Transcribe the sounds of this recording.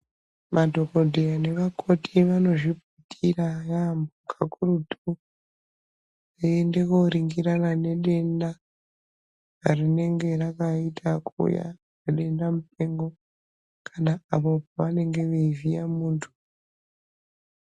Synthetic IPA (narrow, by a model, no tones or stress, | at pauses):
madʱo̞ko̞dʱeane̞ʋakʰo̞tʰiʋano̞ʐiputʰirajambukakurutu | iende̞koɾiŋɡiɾanane̞ɗe̞nda | arine̞ŋɡe̞rakaitʰakʰṵja̰ | neɗe̞ndamupe̞ŋɡo̞ | kʰanaapo̞paʋane̞ŋɡe̞ʋeivijamuːntʰu̥